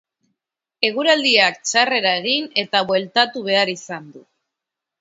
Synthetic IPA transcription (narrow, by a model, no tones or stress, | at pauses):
e̞ɣ̞uɾald̪iak̚t͡ʃare̞ɾae̞ɣ̞ine̞t̪aβwe̞lt̪at̪uβ̞e̞aɾisand̪u